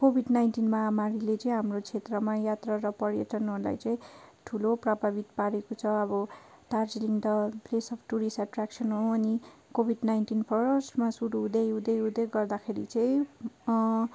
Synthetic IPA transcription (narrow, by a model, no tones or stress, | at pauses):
kobʱiɖnajnʈinmamaɾilet͡sʌĩɦamrot͡sʰet̪rʌmajat̪raɾʌpʌɾjʌʈʌnuɦla̰jt͡sʌĩʈʰuloprabʱabit̪paɾekot͡sʰʌʌbʌ | t̪ard͡ziliŋd̪ʌpʰlesʌpʰʈuɾisaʈraksʌnɦoʌnikobʱiɖnajnʈinpʰʌɾʌsʈmasuɾuːd̪ʌjud̪ʌjud̪eɡʌrd̪akʰeɾḭt͡sʌĩ